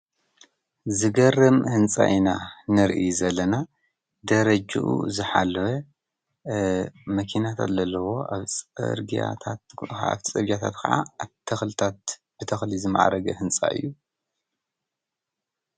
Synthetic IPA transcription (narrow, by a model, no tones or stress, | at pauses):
zɨɡɐrːɨmhɨnt͡sʼa̰ʔinanɨɾʔizɐlːɐna | d̪ɐɾɐd͡ʒɨ̰ʔṵzɨħalːɐwɐ | mɐkʰinat̪ʰa̰t̪zɐlːɐwo̞ʔa̰βt͡sʼɨ̰ɾɡia̰t̪ʰat̪a̰βt̪ʰt͡sʼɐβɡat̪ʰa̰t̪kʰɐ̰ʕa̰t̪ʰɐxlɨt̪ʰat̪̚ | b̥ɨt̪ʰɐxlizɨma̰ʕa̰ɾɐɡɐhɨnt͡sʼa̰ʔɨ̰jːu